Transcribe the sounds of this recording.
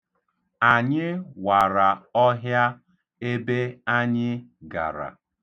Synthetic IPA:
a˨ɲɪ˦wa˨ɾa˨ɔ˦ɦja˦ | e˦be˦a˦ɲɪ˦ɡa̰˨ɾa̰˨

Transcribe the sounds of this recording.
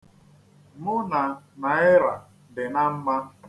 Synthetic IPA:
mʊ˦na˨na˨ɪ˦ɾa˨ | dɪ˨na˦m̩˦ma˦

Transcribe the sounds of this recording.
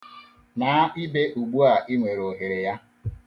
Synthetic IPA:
na˨˦i˦be˦ʔu˨ɡ͡bu˦a˨ʔi˦ŋʷe˨ɾo˨ɦe˨ɾe˨ja˦

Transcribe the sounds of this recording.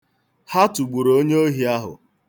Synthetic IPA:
ha˦tu˨ɡ͡bu˨ɾoo˦ɲe˦o˦ɦi˨a˦ɦʊ̰˨

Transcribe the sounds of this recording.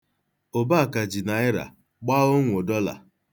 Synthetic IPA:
o˨ba˦˨ka˨d͡ʒi˨na˨ɪ˦ɾa̰˨ | k͡pa˦o˦ŋʷ˨o˨dɔ˦la̰˨

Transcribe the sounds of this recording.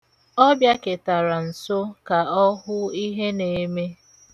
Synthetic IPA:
ɔ˦bja˦kɪ˨ta˨ɾa˨n̩˨so˦ka˨ɔ˦ɦʊ˦i˦ɦe˦ne˨˦me˦

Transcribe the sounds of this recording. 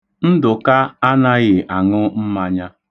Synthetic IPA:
n̩˦dʊ˨ka˦a˦na˦ɣɪ˨a˨ŋʊ˦m̩˦ma˦ɲa˦

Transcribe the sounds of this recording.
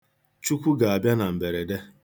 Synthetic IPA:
t͡ʃu˦kʷu˦ɡa˨a˨bja˦na˨m̩˨be˨ɾe˨de˦

